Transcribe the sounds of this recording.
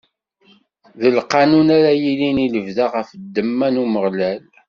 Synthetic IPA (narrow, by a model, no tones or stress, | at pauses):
ðəlqɑnunaɾæjiliniləvðaʁəfd̪ːəmːænuməʁlæl